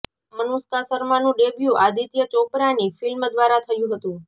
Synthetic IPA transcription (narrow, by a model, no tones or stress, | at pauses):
mənuskasəɾmanũɖebʱjũʔad̪ʱit̪jət͡ʃopɾanifilmd̪ʋaɾat̪ʰəjũɦət̪ũ